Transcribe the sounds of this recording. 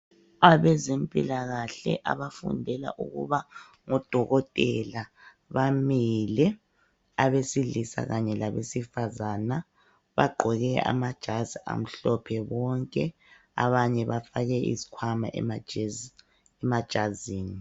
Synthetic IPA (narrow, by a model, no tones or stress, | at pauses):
aβɛzempʼḭlaɣaɬɛ̰ʔa̰βafṵndʱɛla̰ʔṵɣṵβa | ŋɔd̥ʱɔɣɔtʼɛla | βamilɛ | aβesilisa̰ɣaɲɛlaβesifazana | βaɡ͡ǃʱɔɣɛa̰mad̥ʒ̥ʱazia̰m̩ɬɔpʰɛβɔŋkʼɛ | a̰βaɲɛβafaɣɛḭzi̥kʰwamaʔɛ | ɛmad̥ʒ̥ʱaziːni